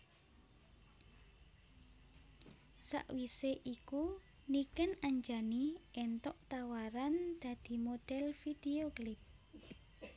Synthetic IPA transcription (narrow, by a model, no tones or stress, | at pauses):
sa̰ʔwiseʔiku | nikənaɲd͡ʒaniʔɛnt̪ɔʔt̪awaɾand̪̥a̤d̪̥i̤mod̪̥ɛlfid̪̥eoklɪp̚